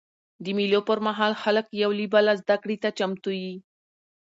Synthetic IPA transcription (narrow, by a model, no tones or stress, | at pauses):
d̪əmilopəɾmaɦɑlxaləkjawlibalazd̪akɽit̪at͡ʃamt̪uji